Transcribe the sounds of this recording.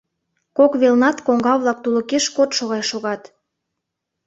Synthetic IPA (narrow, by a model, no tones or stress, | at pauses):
kokβelnɑt̪koŋɡɑβlɑk̚t̪ulə̆keʃkot̪ʃoɣɑjʃoɣɑt̪